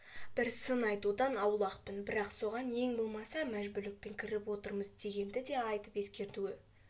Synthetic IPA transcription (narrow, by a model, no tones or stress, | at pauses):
b̥ɪɾsənɑjt̪ud̪ɑnɑwlˠɑqpənbɪɾɑqso̞ʁɑnje̞ŋbo̞lˠmɑsɑmæʒbʏɾlɪk̚pe̞ŋkʲʰɪɾɪpwo̞t̪əɾməzd̪e̞ɡʲe̞nd̪ɪd̪e̞ɑjt̪əpe̞skʲe̞ɾt̪uwɪ